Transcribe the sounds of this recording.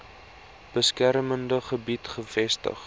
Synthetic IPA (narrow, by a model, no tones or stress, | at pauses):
b̥əskærməndəχəbitχəfɛstə̰χ